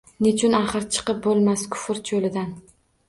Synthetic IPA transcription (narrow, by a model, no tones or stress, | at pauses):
net͡ʃʰʊnaχɨɾt͡ʃʰɨ̥qɨp̚bolˠmaskʰʊ̥fɪɾt͡ʃʰolɪd̪an